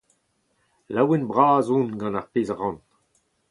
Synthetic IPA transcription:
lawenbʁaːzũnɡɑ̃naʁpeːzaʁɑ̃n

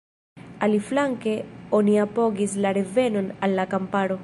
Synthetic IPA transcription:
aliflaŋkeoniapoɡislaɾevenonalːakampaɾo

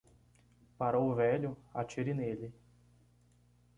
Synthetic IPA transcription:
paɾowʊvɛʎʊa̰t͡ʃiɾinelɪ

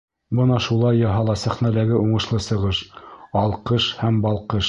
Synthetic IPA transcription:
bɤnɑʃulˠɑjːɑɦɑlˠɑsæχnælæɡɘʔuɴɤ̆ʃlˠɤsɤ̆ʁɤʃɑlˠqɤʃhæmbɑlˠqɤʃ

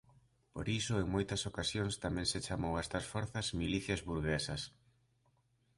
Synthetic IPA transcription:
po̰ɾisʊeŋmojt̪ɐsokasjoŋst̪amɛ̃ŋset͡ʃamowɛst̪ɐsfoɾθɐzmiliθjɐzβuɾɣesɐs

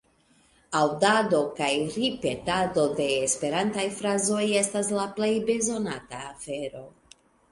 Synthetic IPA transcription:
awdado̞kajɾipe̞tado̞de̞ːspe̞ɾantajfɾazo̞je̞staslaple̞jbe̞zo̞nataːfe̞ɾo̞

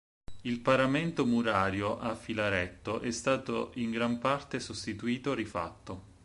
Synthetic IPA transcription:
ilpaɾament̪omuɾaːɾjoʔafːilaɾɛt̪ːoʔɛst̪aːt̪oʔiŋɡɾampart̪esost̪it̪uiːt̪oɾifa̰t̪ːo

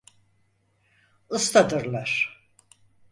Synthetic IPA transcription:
ɯst̪ad̪ɯɾlˠaɾ̥

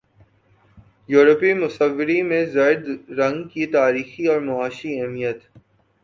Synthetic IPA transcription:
juːɾəpimʊsəʋːɪɾimẽzaːɪɾd̪ɾɐ̃ŋɡkit̪aːɾiːxiɔːɾmʊaːʃiɛɦmijət̪

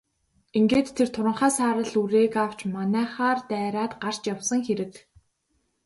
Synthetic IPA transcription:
iŋɡeːt̪ʰːert̪ʰʊɾə̆ɴχaːsaːɾə̆ɮuɾeːkaw̥t͡ɕmanæːχaːrt̪æːɾaːt̪ɢar̥t͡ɕjawsə̆ŋxeɾɘ̆k

